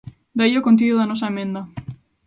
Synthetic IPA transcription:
d̪aiokõnt̪̬iðoðanɔs̬aemẽnd̪ɐ

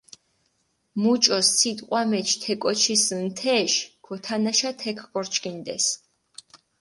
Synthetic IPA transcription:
mut͡ʃʼɔssit̪ʼqʼwamɛt͡ʃʰt̪ʰɛkʼɔt͡ʃʰisnt̪ʰɛʃɡ̥ʰɔt̪ʰanaʃat̪ʰɛkʰɡɔɾt͡ʃʰkʼind̪ɛ̰s

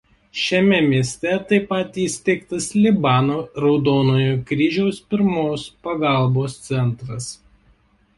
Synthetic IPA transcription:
ʃʲɛmʲɛmʲiɛsʲt̪ʲɛt̪ɐɪpɐt̪iːsʲt̪ʲɛɪkt̪ɐslʲɪbɑːnoːɾɒʊd̪oːnoːjukɾʲiʒʲɛʊspʲɪɾmoːspɐɡɑˑlˠboːst̪sʲɛnˑt̪ɾɐs

